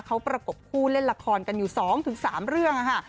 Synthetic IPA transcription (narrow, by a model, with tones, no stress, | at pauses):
kʰa˦˥wpɾa˧ko˨˩p̚kʰuː˥˩le˥˩nla˧kʰɔː˧nka˧njuː˨˩sɔː˩˦ŋt̪ʰɯ˩˦ŋsaː˩˦mɾɯ˥˩əŋʔa˧kʰa˥˩